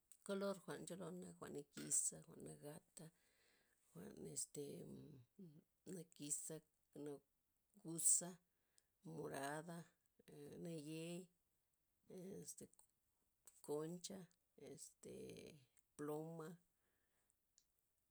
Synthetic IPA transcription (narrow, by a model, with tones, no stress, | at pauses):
ko˦lo˦ɾxʷa˨ʔnt͡ʃo˦lo˧na˧xʷa̰˨ʔna˧ki˧sa˦xʷa̰˨ʔnːa˧ɡa˧t̪a˦ | xʷa̰˨ne˨st̪e˨ | na˧ki˧sa˦ | na˧ | ɡu˧sa˦ | mo˨ɾa˧d̪a˦ | na˧je˦j | e˨st̪e˨ | ko˧nt͡ʃa˦ | e˨st̪ḛ˨ | plo˦ma˦